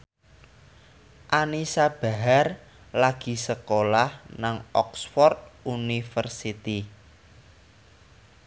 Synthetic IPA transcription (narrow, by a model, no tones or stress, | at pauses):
ʔanisab̥a̤ɦar | laɡ̥i̤səkolahnaŋɔksfɔrt̪̚unifərsit̪i